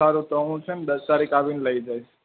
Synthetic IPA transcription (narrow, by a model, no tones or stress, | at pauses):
aɾũt̪əɦũt͡ʃʰend̪əst̪aɾikaʋinləid͡ʒajt͡ʃʰ